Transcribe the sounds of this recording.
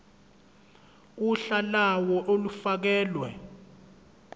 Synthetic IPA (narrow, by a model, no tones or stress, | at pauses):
uɬalawɔʔolufak̬ɛːlwɛ̰